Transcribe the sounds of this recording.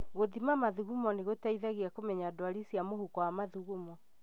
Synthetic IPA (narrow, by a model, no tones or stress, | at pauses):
ɣoðimamaðuɣumɔneɣotaiðaɣiakomɛɲadwaɾisiamohukɔwamaðuɣumɔ